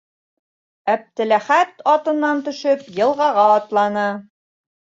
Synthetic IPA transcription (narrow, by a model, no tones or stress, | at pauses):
æp̚t̪ɘ̆læχæt̪ɑt̪ɤ̆nːɑnt̪ɵ̆ʃɵpjɤ̆lˠʁɑʁɑːt̪lˠɑnɤ